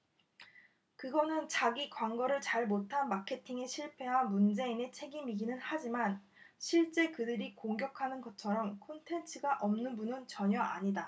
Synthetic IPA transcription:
kɯɡʌnɯnt͡ɕaɡikwaŋɡʌɾɯɭt͡ɕaɭmotʰanmakʰe̞tʰiŋe̞ɕʰiɭpʰe̞wamund͡ʑe̞ine̞t͡ɕʰe̞ɡimiɡinɯnhad͡ʑiman | ɕʰiɭt͡ɕ͈e̞kɯdɯɾikoŋɡjʌkʰanɯnɡʌt͡ɕʰʌɾʌmkʰontʰe̞nt͡ɕʰɯɡaʔʌmnɯnbunɯnt͡ɕʌɲʌʔaɲida

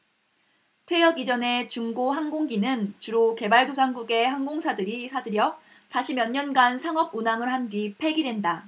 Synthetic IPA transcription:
tʰwe̞jʌɡid͡ʑʌne̞t͡ɕuŋɡoɦaŋɡoŋɡinɯnt͡ɕuɾoke̞baɭdosʰaŋɡuɡe̞haŋɡoŋsʰadɯɾisʰadɯɾjʌ | taɕʰimjʌɲːʌnɡansʰaŋʌb̚unamɯɭɦandipʰe̞ɡidwenda

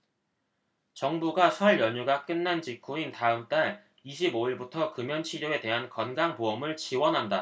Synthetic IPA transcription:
t͡ɕʌŋbuɡasʰʌɭjʌɲuɡak͈ɯnːant͡ɕikʰuintaɯmt͈aɭ | iɕ̬ʰiboiɭbutʰʌkɯmjʌnt͡ɕʰiɾjoe̞te̞ɦankʌnɡaŋpoʌmɯɭt͡ɕiwʌnɦanda

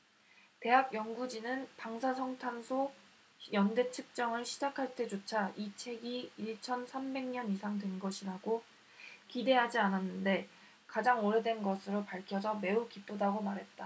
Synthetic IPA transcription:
te̞ɦak̚jʌŋɡud͡ʑinɯnpaŋsʰasʰʌŋtʰansʰo | jʌnde̞t͡ɕʰɯk̚t͡ɕ͈ʌŋɯɭɕʰid͡ʑakʰaɭt͈e̞d͡ʑot͡ɕʰait͡ɕʰe̞ɡiːɭt͡ɕʰʌnsʰambe̞ŋɲʌnisʰaŋdwe̞nɡʌɕʰiɾaɡo | kide̞ɦad͡ʑiananːɯnde̞ | kad͡ʑaŋoɾe̞dwe̞nɡʌsʰɯɾopaɭkʰjʌd͡ʑʰʌme̞ukip͈odaɡomaɾɦe̞t̚t͈a

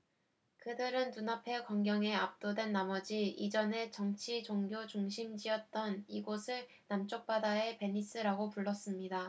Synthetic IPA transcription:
kɯdɯɾɯntunapʰe̞kwaŋɡjʌŋe̞ap̚t͈odwe̞nːamʌd͡ʑiid͡ʑʌne̞t͡ɕʌŋt͡ɕʰit͡ɕoŋɡjot͡ɕuŋɕʰimd͡ʑiʌt̚t͈ʌniɡosʰɯɭ | namt͡ɕ͈ok̚p͈adae̞pe̞ɲis͈ɯɾaɡopuɭːʌs͈ɯmɲida

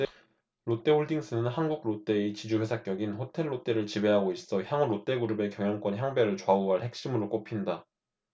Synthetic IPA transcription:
ɾot͈e̞oɭdiŋs͈ɯnɯnɦanɡuɡ̚ɾot͈e̞t͡ɕid͡ʑuɸwe̞sʰak͈jʌɡinɸotʰe̞ɭːot͈e̞ɾɯɭt͡ɕibe̞ɦaɡois͈ʌçjaŋuɾot͈e̞ɡuɾube̞kjʌŋjʌŋk͈wʌnçjaŋbe̞ɾɯɭt͡ɕoauɦaɭhe̞k̚ɕ͈imuɾoɭk͈opʰinda

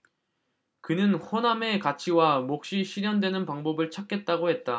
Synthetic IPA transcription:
kɯnɯnɸoname̞kat͡ɕʰiwamok̚ɕ͈iɕʰiɾjʌndwe̞nɯnpaŋbʌbɯɭt͡ɕʰak͈e̞t̚t͈aɡohe̞t̚t͈a

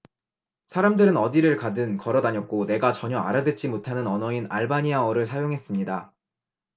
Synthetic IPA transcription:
sʰaɾamdɯɾɯnʌdiɾɯɭkadɯnkʌɾʌdaɲʌk̚k͈one̞ɡat͡ɕʌɲʌa̰ɾadwe̞t̚t͡ɕ͈imotʰanɯnʌnʌina̰ɭbaɲiaʌɾɯɭs̬ʰajoŋɦe̞s͈ɯmɲida

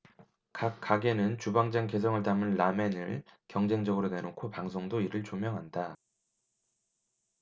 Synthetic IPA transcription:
kakk͈aɡe̞nɯnt͡ɕubaŋd͡ʑaŋke̞sʰʌŋɯɭtamɯnːame̞nɯɭkjʌŋd͡ʑe̞ŋd͡ʑʌɡɯɾone̞nokʰopaŋsʰoŋdoiɾɯɭt͡ɕomjʌŋɦanda

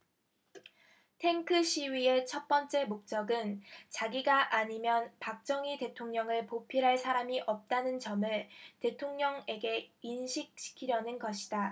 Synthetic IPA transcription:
tʰe̞ŋkʰɯɕʰiɥie̞t͡ɕʰʌt̚p͈ʌnt͡ɕ͈e̞mok̚t͡ɕ͈ʌɡɯnt͡ɕaɡiɡaʔaɲimjʌnpak̚t͡ɕ͈ʌŋite̞tʰoŋɲʌŋɯɭpopʰiɾɦaɭsʰaɾamiʔʌp̚t͈anɯnt͡ɕʌmɯɭte̞tʰoŋɲʌŋe̞ɡe̞inɕʰik̚ɕ͈ʰi̥kʰiɾjʌnɯnɡʌɕʰi̥da

